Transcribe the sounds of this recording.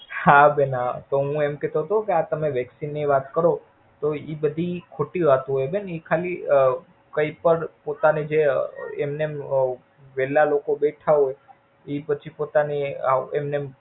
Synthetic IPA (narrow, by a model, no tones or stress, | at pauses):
habenat̪oɦũemkɛt̪oɦət̪okeat̪əmeʋɛksinːiʋat̪kəɾo | t̪oibəd̪ʱikʰoʈiʋat̪ɦojbenikʰaliə | kəipəɾpot̪aned͡ʒeemnem | ʋɛlalokobeʈʰaɦoj | ipət͡ʃʰipot̪aniaemnem